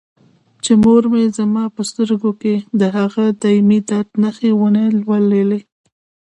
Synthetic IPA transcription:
t͡ʃemoɾmezamɑpəst̪əɾɡoked̪əɦaɣad̪ɑimid̪at̪naxewənelwalele

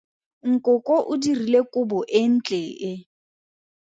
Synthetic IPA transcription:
ŋ̩kʼʊkʼɔʔʊdirilekʼʊbɔʔɪn̩t͡ɬʼeːʔɪ

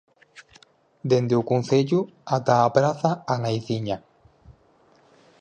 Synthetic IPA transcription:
d̪end̪eukunθeʎu | at̪aːpɾaθaanajθiɲa

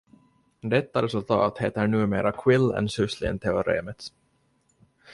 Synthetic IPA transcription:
d̪ɛt̪ːaɾɛsɵlt̪ʰɑ̰ːt̪heːt̪əɳʉ̟ːmeːɾʔakʰwɪlːɛ̰nsɵslɪ̰nt̪ʰɛʊɾḛːmət̪s

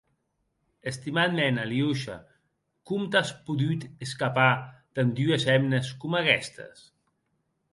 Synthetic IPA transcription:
əst̪imat̪menaliuʃa̰ | kumt̪aspuðut̪əskapat̪and̪yəsɛmnəskumakɛst̪ə̰s

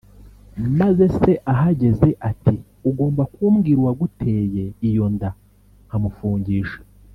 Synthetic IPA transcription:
maze̞se̞ʔaɦaɟe̞ze̞ʔati | uɡo̞ːmbakuːmɡiɾwaɡutʰe̞ːje̞ijo̞nda | ŋ̥hamufuːɲɟiːʃe̥

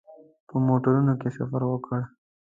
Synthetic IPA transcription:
pəmoʈəɾunokesa̰faɾwəkəɽ

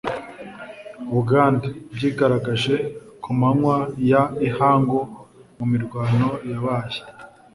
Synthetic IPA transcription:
βuɡaːndabɟiːɡaɾaɡaʒe̞kʰumanwajaihaːŋɡomumiɾɡwaːno̞jaβaːje̥

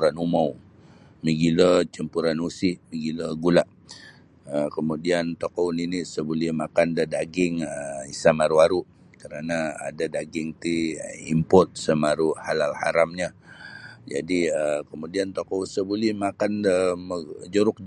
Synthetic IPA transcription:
ɾanumaw | miɡilət͡ʃəmpuɾanusɪʔmiɡiləɡulaʔ | əkəmudiant̪okowninisəbulɛhmakandədaɡɪŋəisamaɾuaɾu | kəɾanaa̰dadaɡɪŋt̪iimpɔt̪̚səmaɾuhalalhaɾamɲa | d͡ʒa̰diəkəmudiant̪okowsəbulɛhmakandəməd͡ʒəɾʊk̚

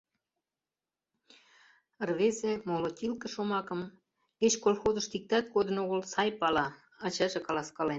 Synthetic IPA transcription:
ərβezemolot̪ʲilkə̆ʃomɑkə̆m | ket͡ɕkolxozə̆ʃt̪ik̚t̪ɑt̪̚ɡod̪ənoɣəlsɑjpɑlɑː | t͡ɕɑʒekɑlɑskɑlen

